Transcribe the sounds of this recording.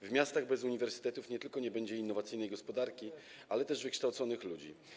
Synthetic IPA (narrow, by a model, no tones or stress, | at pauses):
vmʲjast̪aɣbɛzuɲivɛɾsɘ̥t̪ɛt̪ufɲɛt̪ɘlkɔɲɛbɛɲd͡ʑɛinːɔvat̪sɘjnɛjɡɔspɔd̪aɾkʲi | alɛt̪ɛʐvɘkʂt̪awt̪sɔnɘxlud͡ʑḭ